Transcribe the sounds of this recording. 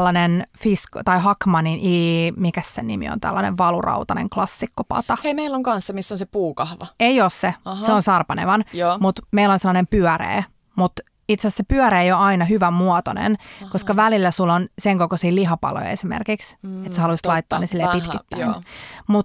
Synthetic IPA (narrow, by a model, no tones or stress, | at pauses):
lːɑnenfiskt̪ɑiɦɑkmɑninʔiːmikæssenimḭo̰nt̪æ̰lːɑnḛʋʋɑlurɑ̰wt̪ɑnḛŋklɑsːikːopɑ̰t̪ɑheimeilːoŋkɑnsːɑmisːonsepuːkɑhʋɑeioːsseseonsɑrpɑnḛʋɑnjmut̪meilonselːɑnempyœrḛː | mut̪ | it̪sæssepyœɾeːjoɑinɑɦyʋæmuɔt̪o̰nḛnkoskɑʋælilːæsulːonseŋkokosiːliɦɑpɑ̰lo̰jesimḛrkikset̪sehɑluist̪lɑit̪ːo̰ːnːesilːeːpit̪kit̪ːænmut̪